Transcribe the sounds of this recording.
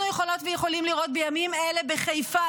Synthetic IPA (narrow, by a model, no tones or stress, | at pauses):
nujeχo̞lo̞t̪vejeχo̞limliʁo̞t̪̚bejamimele̞beχejfa